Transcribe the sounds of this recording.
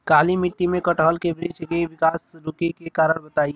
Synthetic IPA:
kaːlimɪʈːimẽkɐʈɔɦlkebɾɪd͡ʒɡeʋɪkaːsɾʊkikekaːɾəɾbɐt̪aːi

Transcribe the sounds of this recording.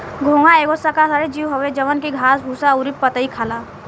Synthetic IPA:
ɡʱõːŋaeːɡosakasaɾed͡ʒiːwɦoʋed͡ʒəʋənkiɡʱaːsbʱusaʊɾipːət̪əikʰaːlaː

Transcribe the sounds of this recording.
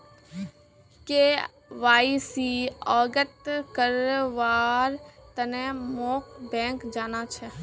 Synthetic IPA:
ke | ʋaːisiɔːɡət̪kəɾʋaːɾt̪ənẽmoːkʰbɛ̃ːkd͡ʒaːnat͡ʃʰɛ

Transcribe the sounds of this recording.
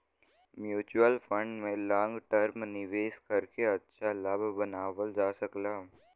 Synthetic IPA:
mjuːt͡ʃuəlfə̃ɳɖmẽlɔ̃ːŋɡʈəɾmnɪʋeːskɐɾkeɐtːʃʰalabʱbɐnaːʋəld͡ʒaːsɐklaː

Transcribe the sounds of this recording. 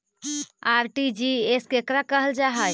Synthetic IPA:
aɾʈid͡ʒieskekɾakəɦəld͡ʒaɦəj

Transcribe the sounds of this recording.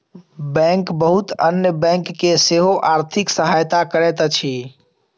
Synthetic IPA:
bɛ̃ŋkbəɦut̪ənjəbɛ̃ŋkːeseɦoʔaɾt̪ʰɪksəɦajt̪akəɾɛt̪t͡ʃʰi

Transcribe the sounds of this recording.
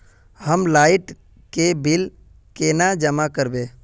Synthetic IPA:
həmlaːɪʈ | kebil | kenad͡ʒəmakəɾbe

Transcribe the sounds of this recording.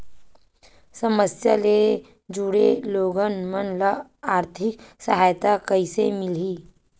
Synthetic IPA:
sɐməsja̰le | d͡ʒuɽeloːɡənmənləaːɾt̪ʰɪksɐɦaːjt̪akəisḛmɪliː

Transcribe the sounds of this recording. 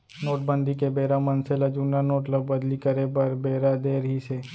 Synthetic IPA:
noːʈbə̃nd̪ʱikebeːɾamɐnselɐd͡ʒuːnanoːʈləbːɐd̪likɐɾepɐɾbeːɾad̪eːɾɦise

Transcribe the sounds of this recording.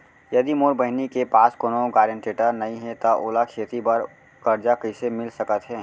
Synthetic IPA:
jɐd̪imoːɾbəɦɪnikepaːskoːnoɡaːɾẽɳʈeːʈəɾnɐɦĩɦɛt̪aʔoːlakʰeːt̪ipəɾ | kəɾd͡ʒakəsemɪlsəkət̪ɦɛː

